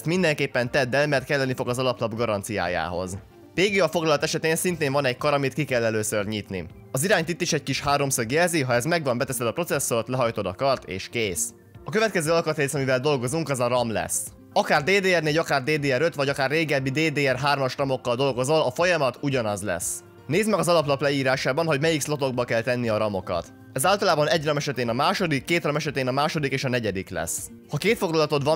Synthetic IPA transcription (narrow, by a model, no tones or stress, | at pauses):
st̪mind̪ɛŋkeːpːɛnt̪ɛd̪ːɛlmɛrt̪kɛlːɛnːifo̞ɡɒzɒlɒplɒbɡɒɾɒnt̪sija̰ːja̰ːɦo̞̰z | peːɡijɒfo̞ɡlɒlɒt̪ɛʃɛt̪eːnsint̪eːɱvɒnɛckɒɾɒmit̪̚kikɛlːɛløːsørɲit̪nḭ | ɒziɾaːɲt̪it̪ːiʃɛc̚kiʃhaːɾo̞msɒɡjɛlziɦɒɛzmɛɡʋɒmbɛt̪ɛsɛd̪ɒpro̞t̪sɛsːo̞ɾt̪lɛɦɒjt̪od̪ɒkɒrt̪ḛːʃkeːs | ɒkø̞vɛt̪kɛzøːɒlkɒt̪ɾeːsɒmivɛld̪o̞lɡo̞zuŋkɒzɒɾɒmlɛ̰s | ɒkaːrd̪eːd̪eːɛrneːɟɒkaːrd̪eːd̪eːɛɾøt̪ʋɒɟɒkaːrːeːɡɛbːid̪eːd̪eːɛrɦaːrmɒʃrɒmo̞kːɒld̪o̞lɡo̞zo̞lɒfo̞jɒmɒt̪uɟɒnɒzlɛ̰s | neːzmɛɡɒzɒlɒplɒplɛjiːɾaːʃaːbɒnɦo̞ɟmɛjikslo̞t̪o̞ɡ̚bɒkɛlt̪ɛnːiɒɾɒmo̞kɒ̰t̪ | ɛzaːlt̪ɒlaːbɒnɛɟrɒmɛʃɛt̪eːnɒmaːʃo̞d̪ikːeːt̪rɒmɛʃɛt̪eːnɒmaːʃo̞d̪ikeːʃɒnɛɟɛd̪iklɛ̰s | hɒkeːt̪fo̞ɡlɒlɒt̪o̞t̪ʋɒ